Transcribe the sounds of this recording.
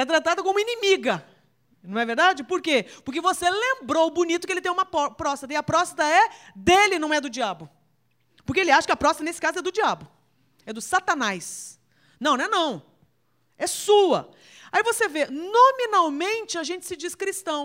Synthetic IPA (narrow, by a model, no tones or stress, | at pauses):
ɛt̪ɾat̪ad̪ɐkõũmɐinimiɡɐ | nɐ̃w̃ɛveɾd̪ad͡ʒɪpoɾkepʊɾk̬evoselẽmbɾowʊbunit̪ʊkɪelɪt̪ẽj̃ũmɐpɔpɾɔst̪ɐt̪ɐɪɐpɾɔst̪ɐt̪ɐɛd̪elɪnɐ̃w̃ɛd̪ʊd͡ʒiabʊ | poɾkeelɪaʃɐkɪɐpɾɔst̪ɐt̪ɐnesɪkazʊɛd̪ʊd͡ʒiabʊ | ɛd̪ʊsat̪ɐnajs | nɐ̃w̃nɛnɐ̃w̃ | ɛsuɐ̰ | aivosevenomĩnawmẽnt͡ʃɪaʒẽnt͡ʃɪ̥sɪd͡ʒiskɾist̪ɐ̃w̃